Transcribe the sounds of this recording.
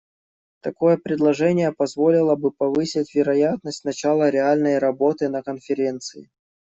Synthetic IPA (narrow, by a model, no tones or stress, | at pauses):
t̪ɐko̞jəpɾʲɪd̪lˠɐʐɛnʲɪjəpɐzvo̞lʲɪlˠəbɨpɐvɨsʲɪtʲvʲɪɾɐjat̪nəsʲtʲnɐt͡ɕalˠəɾʲɪalʲnəjɾɐbo̞t̪ɨnəkənfʲɪɾʲe̞nt̪sɨɪ̰